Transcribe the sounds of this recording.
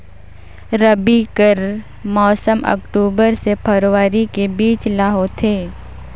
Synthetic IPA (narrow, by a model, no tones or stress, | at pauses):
ɾəbikəɾ | mɔːsəmə̰kʈuːbəɾsepʰəɾowaːɾikebiːt͡ʃlaːɦoːt̪ʰeː